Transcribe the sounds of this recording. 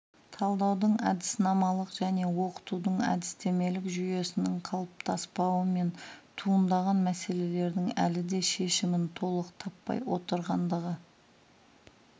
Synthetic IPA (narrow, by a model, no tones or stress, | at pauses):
t̪ʰɑlˠd̪ɑwd̪əɴæd̪ɪsnɑmɑlˠəqʒ̥æne̞wo̞qə̥t̪ud̪əɴæ̰d̪ɪst̪e̞me̞lɪkʒyje̞sɪnɪŋqʰɑlˠəp̚t̪ʰɑspɑwəme̞nt̪ʰuənd̪ɑʁɑnmæse̞le̞le̞ɾd̪ɪŋæ̰lɪd̪e̞ʃe̞ʃɪmɪnt̪ʰo̞lˠəqt̪ʰɑpːɑ̰jwo̞̰t̪əɾʁɑnd̪əʁə